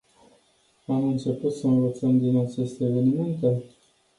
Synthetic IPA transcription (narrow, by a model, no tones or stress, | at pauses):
amɨnt͡ʃe̞put̪səɨnvət̪səmd̪inat͡ʃe̞st̪e̞ːve̞nime̞nt̪e̞